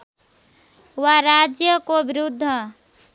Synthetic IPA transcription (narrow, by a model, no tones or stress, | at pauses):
waɾad͡ʒjəkobɪɾʊd̪ʱːə